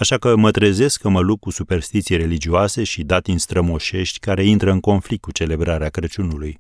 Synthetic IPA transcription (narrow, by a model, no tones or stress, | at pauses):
aʃakəmət̪ɾeze̞skʰːəməlup̚kusupe̞rst̪it̪sijeɾe̞lid͡ʒioase̞ʃid̪at̪inst̪ɾəmo̞ʃe̞ʃt̪ʲkaɾe̞int̪ɾəɨŋko̞nflik̚t̪̚kut͡ʃe̞le̞bɾaɾeakɾət͡ʃunuluj